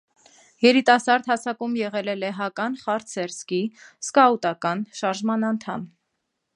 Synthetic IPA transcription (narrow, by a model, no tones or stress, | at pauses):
jɛɾit̪ɑsɑɾd̪hɑsʰɑkumjɛʁɛlɛlɛɦɑkɑnχɑɾsɛɾskiskɑut̪ɑkɑnʃɑɾʒmɑnɑnt̪ʰɑm